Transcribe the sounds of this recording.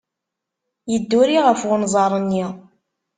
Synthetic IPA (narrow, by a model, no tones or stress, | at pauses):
jəd̪ːuɾiʁəfwʊnzˤɑɾˤənːi